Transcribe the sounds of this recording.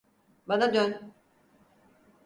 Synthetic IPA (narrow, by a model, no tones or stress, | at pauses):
banad̪øn